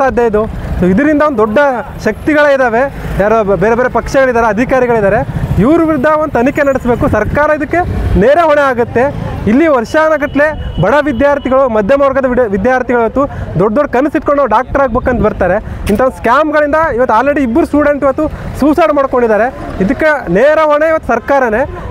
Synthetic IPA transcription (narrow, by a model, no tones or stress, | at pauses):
saːd̪ʱjɐid̪usoːid̪ɐɾind̪ɐʋod̪ud̪ɔɖːɐʃɐk̚t̪iɡɐɭɐid̪aːʋe̞jaːɾobeːɾebeːɾepɐkʂɛɡɐɭid̪aːɾeɐd̪ʱikaːɾiɡɐɭid̪aːɾeiʋɾuʋiɾud̪ːɐond̪t̪ɐnikenɐɽisbe̞ːkusɐɾkaːɾɐid̪ɐkːe̞neːɾeɦɔɳeaːɡut̪ːe̞ilːiʋɐɾʂanɐɡɐʈlebɐɽɐʋid̪jaːɾt̪iɡɐɭumɐd̪ʱjɐmoːɾɡɐd̪ɐʋid̪jaːɾt̪iɡɐɭiʋɐt̪ːud̪ɔɖɐd̪ɔɖkɐnːusiʈ̚koɳɖoɖaːk̚ʈɐɾaːɡ̚beːkɐnt̪bɐɾt̪aːɾe̞int̪ɐʋonuskaːmɡɐɭind̪ɐiʋɐt̪ːaːlɾeɽiːbːɐɾusʈuːɽe̞ɳʈiʋɐt̪ːusuːsaːɽmaːɽko̞ɳɖid̪aːɾe̞id̪ɐkːeneːɾɐɦɔɳeiʋɐt̪ːu̥sɐɾkaːɾɐne̞